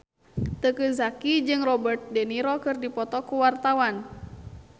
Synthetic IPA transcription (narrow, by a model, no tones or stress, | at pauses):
t̪əkəzakid͡ʒɨŋrɔbərt̪̚dɛniɾɔkɨrdipɔt̪ɔkuwart̪awan